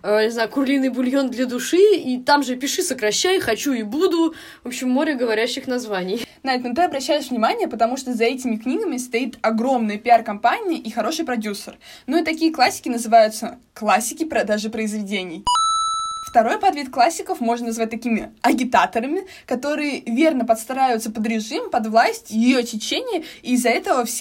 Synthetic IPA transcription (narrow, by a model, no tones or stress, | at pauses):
nʲɪznajʊkʊrlʲinːɨjbʊlʲjo̞nd̪lʲɐd̪ʊʂɨit̪amʐɨpʲɪʂɨsəkɾɐɕːajxɐt͡ɕuibud̪ʊ | vo̞pɕːɪmːoɾʲəɡəvɐɾʲæɕːɪxnɐzvanʲɪjnɐɛt̪nʊt̪ɨɐbɾɐɕːæjɪʂvnʲɪmanʲɪjəpət̪ɐmuʂt̪ozɐɛtʲɪmʲɪknʲiɡəmʲɪst̪ɐit̪ɐɡɾo̞mnɨjəpʲɪarkɐmpanʲɪjəʔixɐɾo̞ʂɨjpɾɐdʲusə̰r | noit̪ɐkʲijəklˠasʲːɪ̥kʲɪnəzɨvajʊt̪sə | klˠasʲːɪkʲɪpɾɐd̪aʐɨpɾəɪzvʲɪdʲenʲɪj | ft̪ɐɾo̞jpɐd̪vʲit̪klˠasʲːɪkəfmo̞ʐnənɐzvat̚ʲt̪ɐkʲimʲɪɐɡʲɪt̪at̪əɾəmʲɪ | kɐt̪o̞ɾɨjəvʲe̞rnəpɐt̪st̪ɾajɪvʊt̪səpəd̪ɾʲɪʐɨmpɐd̪vlˠasʲtʲjɪjot͡ɕʲɪt͡ɕːenʲɪjəizːɐɛt̪əvəfsʲ